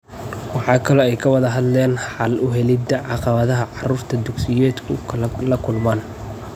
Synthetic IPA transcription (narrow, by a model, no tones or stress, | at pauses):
wɑħɑːkʰɐlɔɛjkʰɐwɑðɐɦɐd̪lɛːnħɑlʔʊɦɛlɪd̪ɐʕɑqɑβɐðɐɦɐʕɑruːrt̪ʰɐd̪ʊɡsɪjɛːd̪kʰʊkʰlɐkʰʊlmaːn